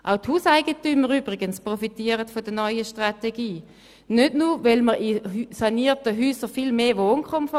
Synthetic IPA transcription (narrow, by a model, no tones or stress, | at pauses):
ʔaʊthuːsaɪɡətyməʁyːbʁɪɡənspʁɔfitiəʁətfodənɔʏəʃtʁateɡiː | nødnuvɛlməʁɪsaniːtəɦyːsəʁfilmeːʋoːnkʰχɔmfɔ